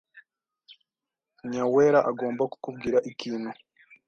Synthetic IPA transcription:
ɲaweɾaʔaɡo̞ːmbaku̥kub̚ɡiːɾaʔikiːnhu

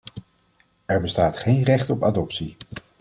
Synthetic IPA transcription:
ɛɹbəstaːtχejnrɛχtɔpaːdɔpsi

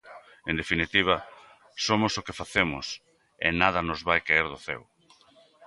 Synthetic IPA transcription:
end̪efinit̪iβ̞ɐ | somosokefaθemʊ̰s | ḛnaðɐnozβajkeeɾðʊθɛ̰w

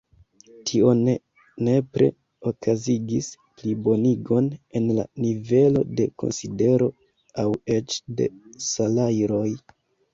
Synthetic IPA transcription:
tʰio̞ne | ne̞pɾe̞̰ | okʰaziɡis | plibo̞niɡo̞ne̞nla̰nive̞lo̞̰de̞ko̞̰nside̞ɾo̞ | awe̞t͡ʃde̞̰salajɾo̞j

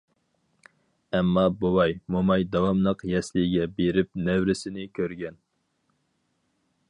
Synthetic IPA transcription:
ɛmːɑbowɑjmomɑjd̪ɑwɑmnəqjɛslɪɡʲɛbeɾɪp̚nɛwɾɪsɪnɪkʲʰøɾɡʲɛn

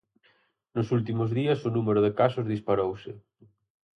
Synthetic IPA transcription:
nʊsult̪̬imʊzðiɐsʊnumeɾʊðɪkasʊzðispaɾowsɪ

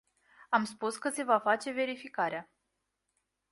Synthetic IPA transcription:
amspuskəse̞vafat͡ʃe̞ve̞ɾifikaɾea

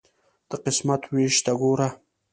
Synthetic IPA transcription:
d̪̥əqɪsmat̪weʃt̪aɡoɾa

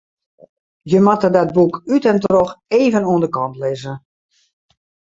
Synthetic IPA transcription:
jəmatədɔd̚bukʰytɛntroxeːvənuəndəkɔntlɪːzə

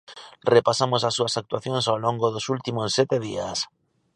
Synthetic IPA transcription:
repasamosasːuasak̚t̪uaθjonsawloŋɡoðosult̪imosːɛt̪eð̞ḭas

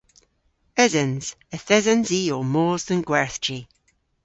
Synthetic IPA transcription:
ɪzənz̥ | əθɪzənziːoːmoːzðənɡ̥wɛɹθd͡ʒi

